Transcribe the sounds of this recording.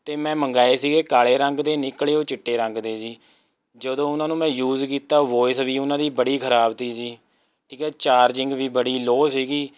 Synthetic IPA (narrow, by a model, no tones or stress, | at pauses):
t̪eːmɛ̃ːməŋɡaːeːsiːɡeːkaːleːɾəŋɡd̪eːnɪkɭeːoːt͡ʃɪʈːeːɾə̃ŋɡd̪eːsiː | d͡ʒəd̪õːʊnãːnũːmɛ̃ːjuːzkiːt̪aːʋoːɪsʋiːʊnãːd̪iːbəɽiːkʰəɾaːbt̪iːsiː | ʈʰiːkɛːt͡ʃaːɾd͡ʒɪŋɡʋiːbəɽiːloːsiːɡiː